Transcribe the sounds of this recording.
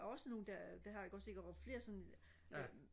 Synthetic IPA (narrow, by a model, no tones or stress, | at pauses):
ɒ̽səno̝ːn̩d̥æd̥æɦɑ̈jɑ̈ɡ̥ɒ̽d̥se̝ɡ̥ɐ̥fle̝ːɐsɒ̽n